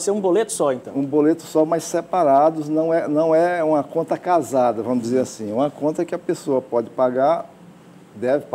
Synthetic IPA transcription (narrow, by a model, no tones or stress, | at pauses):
seɾũbolet̪ʊ̥sɔẽnt̪ɐ̃ũbolet̪ʊsɔmajssepaɾad̪ʊznɐ̃w̃ɛnɐ̃w̃ɛũmɐkõnt̪ɐkazad̪ɐvɐ̃mʊzd͡ʒɪzeɾasĩũmɐkõnt̪ɐɛkɪɐpesoɐpɔd͡ʒɪpaɡaɾ | d̪ɛvɪp